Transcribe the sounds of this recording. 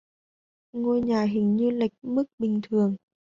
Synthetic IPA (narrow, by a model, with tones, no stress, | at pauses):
ŋo˧jɲaː˨˩ɦï˨˩ŋ̟ɲɨ˧la˨˩jk̟̚mɨ˦˥k̚ɓï˨˩ŋ̟t̪ʰɨ˨˩əŋ